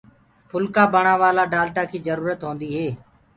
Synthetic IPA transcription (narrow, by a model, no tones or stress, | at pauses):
pʰʊlkaːbəɳ̤̃ãːʋaːlaːɖaːlʈaːkʰiːzəɾuːɾət̪ɦõːnd̪iːɦeː